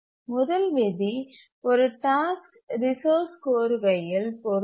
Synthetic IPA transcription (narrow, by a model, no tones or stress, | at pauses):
mʊðɐlʋɪði | ɔɾɯʈaːsk | ɾɪsoːskoːɾɯʋɐjɪlpɔɾ